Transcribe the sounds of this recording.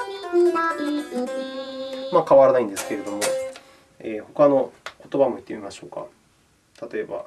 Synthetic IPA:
maːkaβaɾanaĩnd̪esɨ̥ke̞ɾe̞d̪o̞mo̞ | eːho̞kano̞ko̞t̪o̞bamoit̪ːemʲimaɕo̞ːka̰ | t̪ʰat̪o̞e̞ba̰

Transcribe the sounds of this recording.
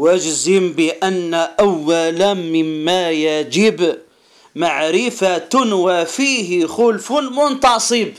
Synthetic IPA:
wad͡ʒzɪmbɪʔanːaʔawːalamɪmːajad͡ʒɪb | maʕɾɪfat̪ʊnwafiːɦɪxʊlfʊmʊnt̪ɑsˤɨb

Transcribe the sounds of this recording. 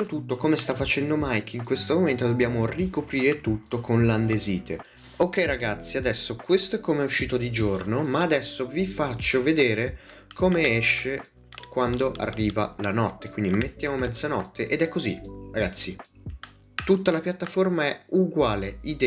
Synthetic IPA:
ot̪ut̪ːokomest̪afːat͡ʃɛnd̪omajkiŋkwest̪omoment̪od̪obːjaːmorikopɾiːɾet̪ut̪ːokʰonland̪eziːt̪ʰe | okːɛjɾaɡat̪sːiad̪ɛsːokwest̪oɛkːomeɛuʃːiːt̪od̪id͡ʒornomaːd̪ɛsːovifat͡ʃːoved̪eːɾe | kʰomeɛʃːe | kwand̪oʔa̰rːiːva̰lanɔt̪ːekwind̪imet̪ːjaːmomɛd̪zanɔt̪ːeʔed̪ɛkːoziraɡat̪sːi | t̪ut̪ːalapjat̪ːaformaɛuɡwaːleid̪ɛ

